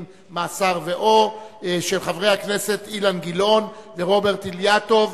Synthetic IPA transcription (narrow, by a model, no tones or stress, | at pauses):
m | maːsaʁveʔoʃelχavʁe̞jhakne̞se̞t̪ilanɡilo̞nveʁo̞be̞ʁt̪iljato̞v